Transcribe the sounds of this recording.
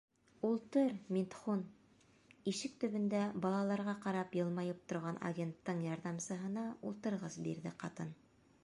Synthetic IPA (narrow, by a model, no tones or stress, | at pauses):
ulˠt̪ɤɾmint̪χun | iʃɘk̚t̪ɵ̆βɵ̆nd̪æbɑlˠɑlˠɑɾʁɑqɑɾɑpjɤ̆lˠmɑjɤp̚t̪ŏɾʁɑnʔa̰ɡʲent̪ːɤɴjɑɾðɑmsɤ̆ɦɤ̆nɑulˠt̪ɤ̆ɾʁɤzbḭɾðɘqɑt̪ɤn